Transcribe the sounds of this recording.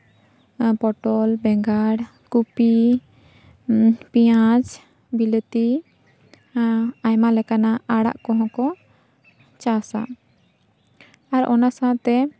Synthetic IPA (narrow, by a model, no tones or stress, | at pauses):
pɔʈɔlbɛŋɡaɽ | kupi | pijãd͡ʒ | bilət̪i | ajmalɛkanaaɽa̰ʔkɔɦɔ̃kɔ | t͡ʃasa̰ | aɾɔ̰nasat̪ɛ